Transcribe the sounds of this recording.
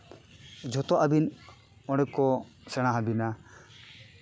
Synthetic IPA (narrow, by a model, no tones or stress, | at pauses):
d͡ʒʱɔt̪ɔʔabin | ɔɽɛkɔ | sɛɽ̃aɦabina